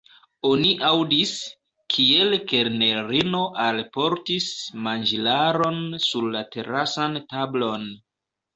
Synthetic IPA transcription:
o̞niʔawdis | kʰie̞lke̞ɾne̞ɾino̞ʔalpo̞ɾtismand͡ʒilaɾo̞nsuɾlate̞ɾasantablo̞n

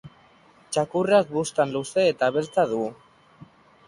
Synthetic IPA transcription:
t͡ʃakurak̚bust̪anluse̞ːt̪aβeɾt͡saðu

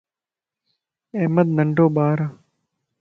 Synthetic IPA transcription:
eːməd̪̚nəɳɖoːɓaːɾaː

